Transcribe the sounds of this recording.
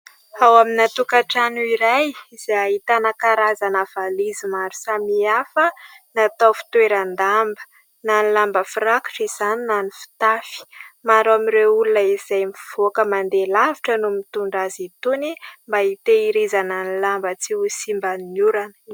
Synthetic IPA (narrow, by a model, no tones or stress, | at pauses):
awaminat̪ukaʈ͡ʂanuiɾajz̥eaɦit̪anakaɾazanav̥alizimaɾu̥samiafənat̪ofi̥t̪weɾand̪ambə̥ | nanilambəfiɾaku̥ʈ͡ʂiz̥aninanifi̥t̪afi̥maɾuamiɾeulunəizajmiv̥okəmand̪elaviʈ͡ʂənumit̪uɳɖ͡ʐazit̪unimbait̪eiɾizananilambət͡siusimbaniuɾanə̥